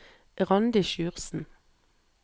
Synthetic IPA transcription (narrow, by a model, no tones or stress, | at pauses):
ʁɑnd̪ɪʃʉːʁsn̩